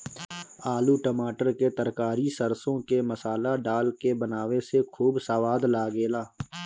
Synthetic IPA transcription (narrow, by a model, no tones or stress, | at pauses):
aːluʈəmaːʈəɾket̪əɾkaːɾisəɾsõkeməsaːlaɖaːlkebənaːʋesekʰuːbsaːʋaːd̪laːɡeːlaː